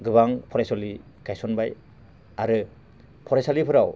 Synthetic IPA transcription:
ɡɯbaŋpʰɔɾajsɔli | ɡajsɔnbaj | aɾɯ | pʰɔɾajsalipʰɯɾaw

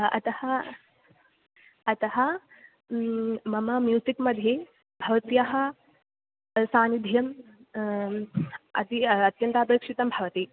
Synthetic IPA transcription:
ɐ̰t̪ɐhɐ | ɐt̪ɐhɐ | mɐmɐmjuːsikmɐd̪ʱːje | bʱɐʋɐt̪jɐɦɐ | saːnid̪ʱjɐm | ɐ̰t̪iɐt̪jɐnt̪ɐɐpeːkʂit̪ɐmbʱɐʋɐt̪i

